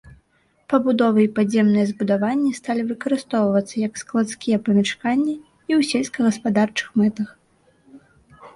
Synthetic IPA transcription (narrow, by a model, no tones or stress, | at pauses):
pɐbud̪ɔvɨipazʲːɛmnɨjɛzbud̪avanʲːist̪alʲivɨkɐɾɨst̪ɔwvɐt̪sːɐjɐksklˠat̪skʲijɛpɐmʲɛt͡ʂkanʲːi | iwsʲelʲskɐɣɐspad̪art͡ʂɨ̥xmɛt̪ɐx